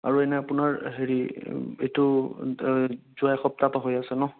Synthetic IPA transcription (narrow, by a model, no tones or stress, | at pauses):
a̰ɹuɛnɛapʊnaɹɦeɹietʊ | zʊajxɔp̚tapaɦojasɛnɔ